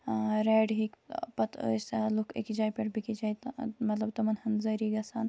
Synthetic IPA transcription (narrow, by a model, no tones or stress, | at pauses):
ɾeːɖɦikpɐt̪ʰːjsalukʰḭkid͡ʒaːjpeʈbikid͡ʒaːj̪mɐt̪lɐb̚t̪ɐmɐnhɐnzɐɾiːɡɐsaːn